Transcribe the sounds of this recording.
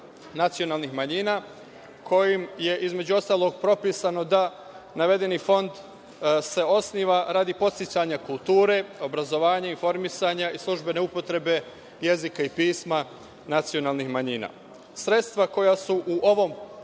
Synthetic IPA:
nat̪sio̞naːlˠnixmaɲiːnaː | kʰo̞jimje̞ʔizme̞d͡ʑuo̞st̪aːlˠo̞ɡpɾo̞piːsano̞d̪a | naʋe̞d̪e̞nifo̞nd̪ | se̞o̞sniːʋaɾaːd̪ipo̞t̪sit͡ɕaɲakulˠt̪uːɾe̞o̞bɾazo̞ʋaːɲainfo̞ɾmisaɲaislˠuʒbe̞ne̞upo̞t̪ɾe̞be̞ | je̞zikaipiːsma | nat̪sio̞naːlˠnixmaɲiːna̰ | sɾe̞t̪st̪ʋako̞jasuʔuʔo̞ʋo̞m

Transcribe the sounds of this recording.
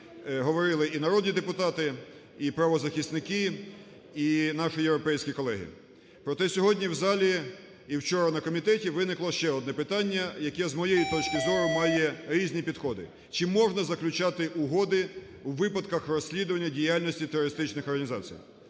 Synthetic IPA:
ɦɔʋɔɾɪlˠɪʔinɐɾɔd̪ʲnʲid̪epʊt̪ɑt̪ɪ | ipɾɐʋɔzɐxʲist̪nɪkɪ | inɑʃɪjewɾɔpɛjsʲkʲikɔlˠɛɦɪ̰ | pɾɔt̪ɛsʲɔɦɔdʲnʲiwzɑlʲi | iwt͡ʃɔɾɐnɐkɔmʲit̪ɛtʲiʋɪnɪklˠɔʃt͡ʃɛɔd̪nɛpɪt̪ɑnʲːɐjɐkɛzmɔjɛjit̪ɔt͡ʃkɪzɔɾʊmɑjɛɾʲizʲnʲipʲid̪xɔd̪ɪ̰ | t͡ʃɪmɔʒnɐzɐklʲʊt͡ʃɑt̪ɪʔʊɦɔd̪ɪ | wʋɪpɐd̪kɐxrɔsʲlʲid̪ʊʋɐnʲːɐdʲijalʲnɔsʲtʲit̪eɾɔɾɪst̪ɪt͡ʃnɪxɔrɦɐnʲizɑ̰t͡sʲḭj

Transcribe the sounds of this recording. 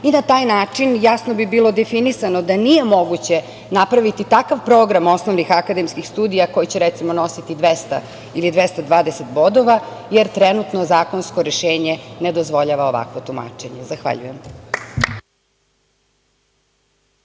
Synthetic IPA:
inat̪aːjnaːt͡ʂinjasnobibiːlo̞d̪efinisano̞d̪anije̞mo̞ɡut͡ɕe̞ | napɾaʋit̪it̪akaʋpɾoːɡɾamo̞snoʋnixakad̪emskixst̪uːd̪ijako̞jit͡ɕeɾɛt̪simono̞sit̪id̪ʋest̪a̰ | ilid̪ʋest̪ad̪ʋaːd̪eset̪bo̞d̪o̞ʋajeɾt̪ɾenut̪no̞zaːko̞nskoɾeʃeːɲened̪ozʋo̞ʎaʋaoʋa̰kʋot̪uma̰ːt͡ʂe̞ɲezaxʋa̰ʎṵjem

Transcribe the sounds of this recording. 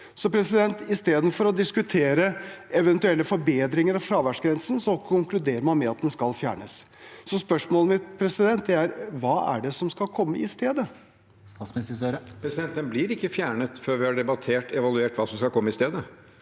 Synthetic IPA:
sɔpʰɾɛsɪd̪ɛnt̪ɪst̪eːd̪n̩fɔɾɔd̪ɪskʉt̪ʰeːɾəɛʋɛnt̪ʉɛlːəfɔɾbeːd̪ɾɪŋəɾɑfɾɑːʋæʂɡɾɛnsən̩sɔkʰʊŋklʉd̪eːɾəɾmɑnmɛɑt̪̚d̪ɛnskɑlfjæ̰ːɳəsː | ɔspœʂmoːlmɪt̪pʰɾɛsɪd̪ɛnt̪d̪ɛæɾʋɑːʔæ̰ɖɛsɔmskɑlkʰɔmːəɪst̪eːd̪ə | sɑsmnst̪əsøɾəpʰɾɛsɪd̪ɛnt̪ənblɪɾɪkːəfjæːɳət̪føːɾʋɪhɑɖɛbɑt̪ʰeːʈʰɛʋɑlʉeːʈʋɑːsɔmskɑkʰɔmːəɪst̪eːd̪ə

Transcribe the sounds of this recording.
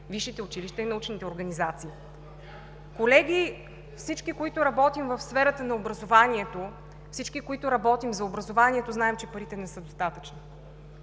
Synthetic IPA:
viʃit̪ɛʊt͡ʃiliʃt̪ɛinɐut͡ʃnit̪ɛoɾɡɐnizat̪siː | kolɛɡʲi | fsit͡ʃkikoit̪ʊɾɐbɔt̪imvəfsfɛɾət̪ənɐobɾɐzovaniɛt̪o | fsit͡ʃkikoit̪ʊɾɐbɔt̪imzɐobɾɐzovaniɛt̪oznaɛmt͡ʃɛpɐɾit̪ɛnɛsɤd̪ost̪at̪ət͡ʃni

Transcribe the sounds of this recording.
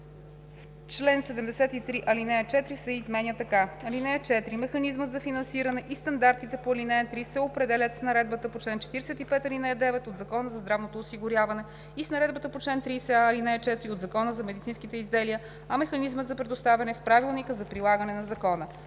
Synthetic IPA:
t͡ʃlɛnsɛd̪ɛmd̪ɛsɛt̪it̪ɾiʔɐlinɛɐt͡ʃɛt̪ɾisɛizmɛnʲjət̪ɐkaɐlinɛɛt͡ʃɛt̪ɾimɛxɐnizmət̪zɐfinɐnsiɾɐnɛʔist̪ɐnd̪aɾt̪it̪ɛpoɐlinɛt̪ɾisɛopɾɛd̪ɛlʲət̪snɐɾɛd̪̚bət̪əpot͡ʃlɛnt͡ʃɛ̥t̪iɾɛsɛt̪ipɛt̪ɐlinɛɛd̪ɛvɛt̪od̪zɐkɔnəzɐzd̪ɾavnot̪oːsiɡʊɾʲjavɐnɛ | isnɐɾɛd̪bət̪əpot͡ʃlɛnt̪ɾisɛːlinɛt͡ʃɛt̪ɾiod̪zɐkɔnəzɐmɛd̪it̪sinskit̪ɛizd̪ɛliə | ɐmɛxɐnizmət̪zɐpɾɛd̪ʊst̪avʲɛnɛfpɾavilˠnikəzɐpɾilˠaɡənɛnɐzɐkɔnə

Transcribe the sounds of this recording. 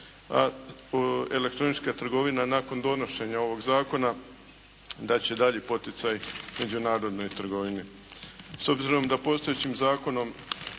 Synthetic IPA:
a̰ | e̞le̞kt̪ɾo̞nit͡ʃkat̪ɾr̩ɡo̞ʋinanako̞nd̪o̞no̞ʃe̞ɲao̞ʋo̞ɡzaːko̞na | d̪at͡ɕe̞d̪aʎipo̞t̪it̪sajme̞d͡ʑunaːɾo̞d̪no̞jt̪r̩ɡo̞ʋini | so̞bziɾo̞md̪apo̞st̪o̞jet͡ɕimzaːko̞no̞m

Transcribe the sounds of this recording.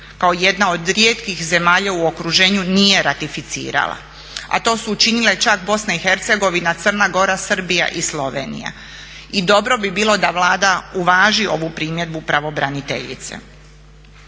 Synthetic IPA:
kaoje̞d̪nao̞d̪ɾje̞ːt̪kixze̞maːʎauo̞kɾuʒe̞ːɲunije̞ɾat̪ifit̪sḭːɾa̰lˠa̰ | a̰t̪o̞ːsuːt͡ʃinilet͡ʃakbo̞snaixe̞ɾt̪se̞ɡo̞ʋinat̪sər̩naɡo̞ɾasr̩bija̰ʔislo̞ʋe̞̰nḭja̰ | id̪o̞bɾo̞bibiːlˠo̞d̪aʋlaːd̪auʋaːʒio̞ʋupɾiːmje̞d̪̚bupɾaʋo̞bɾanit̪e̞̰ʎḭt̪sḛ

